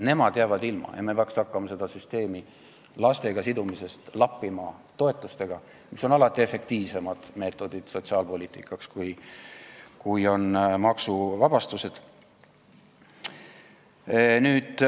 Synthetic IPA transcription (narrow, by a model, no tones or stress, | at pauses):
ne̞mɑd̪̥jæːvɑd̪ilmɑ̰jɑ̰mepeɑksɑkːɑmɑse̞d̪̥ɑsyst̪e̞ːmi | lɑst̪e̞ɡɑsid̪umise̞st̪lɑpːimɑt̪o̞e̞t̪ˑːust̪e̞ɡ̥ɑ | miso̞nɑlɑt̪ːˑie̞fe̞kt̪iːvse̞mɑd̪̥me̞ːt̪ːˑo̞d̪̥id̪̥so̞t̪ʲsɑːlpo̞lʲiːt̪ˑikːˑɑkskuj | kujo̞nmɑksuvɑb̥ɑst̪use̞d̪̥ | nyːd̪̥